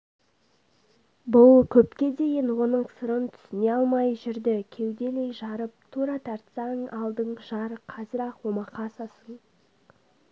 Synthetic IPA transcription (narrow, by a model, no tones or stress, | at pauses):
bʊlˠkʲʰɵpkʲe̞d̪e̞jɪnwo̞nəɴsəɾənt̪ʰʏ̥sɪne̞ɑlˠmɑjʒɪɾd̪ɪkʲʰe̞wd̪e̞le̞jʒɑɾəp̚t̪ʰuɾɑt̪ʰɑɾt̪sɑɴɑlˠd̪əɴʒ̥ɑɾəqʰɑzəɾɑqwo̞mɑqɑsɑsəɴ